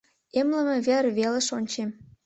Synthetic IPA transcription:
emlə̆mĕβerβelĕʃonʲt͡ɕem

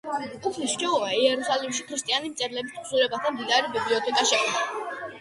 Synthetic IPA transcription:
upʰlisʃt͡ʃʼiɔvaiɛɾusalimʃikʰɾist̪ʼianismt̪sʼɛɾlɛbistʰsulɛbat̪ʰand̪id̪aɾibibliɔt̪ʰɛkʼaʃɛkʰna

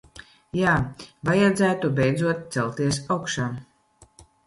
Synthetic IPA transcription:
jaːvajad̪zæːt̪ubʲɛjd̪zuɔt̪̚t̪sɛlˠt̪iɛs̬awkʃaː

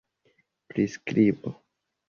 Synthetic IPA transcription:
pɾiskɾibo

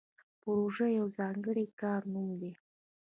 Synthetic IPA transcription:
pʊɾoʒajawzɑŋɡəɽikɑɾnumd̪e

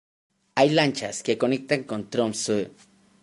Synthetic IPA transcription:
ajlant͡ʃaskekonik̚t̪aŋkont̪ɾomsu

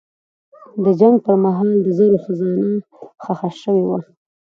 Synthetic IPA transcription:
d̪əd͡ʒaŋɡpəɾmaɦɑld̪əzaɾoxazɑna | xaxaʃəwewa

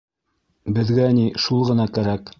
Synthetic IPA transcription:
bɘ̆ðɡæniʃulˠʁɤ̆nɑkæɾæk

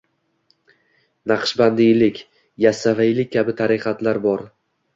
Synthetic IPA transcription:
naqʃband̪ɪlɪkʲ | jasavajlɪk̚ʲkʲʰːabɪt̪ʰaɾɪqʰɑt̪ʰlaɾbɒɾ

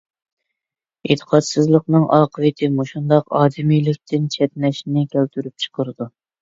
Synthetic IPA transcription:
ḛt̪ʰːə̥qʰɑt̪sɨzlˠəqnɨŋʔɑːqʰəvɨt̪ʰɪmoʃund̪ɑqɑːd̪ɪmijlɪk̚ʲt̪ʰɪnt͡ʃʰɛt̪lɛʃnɪkʲʰɛlt̪ʰyɾyp̚t͡ʃʰə̥qʰəɾɨd̪u

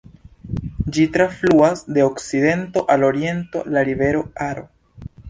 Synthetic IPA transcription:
d͡ʒitɾafluasde̞okside̞nto̞ʔalo̞ɾie̞nto̞̰laɾive̞ɾo̞aɾo̞̰

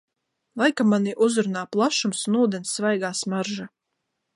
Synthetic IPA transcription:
lˠajkamaniʔuzɾunaːplˠaʃumsunuːd̪ɛnsːvajɡaːsmaɾʒa

